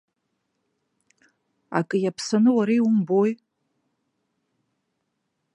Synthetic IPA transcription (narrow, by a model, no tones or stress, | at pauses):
a̰kʼɨjapʰsanɨwaɾejʊmboj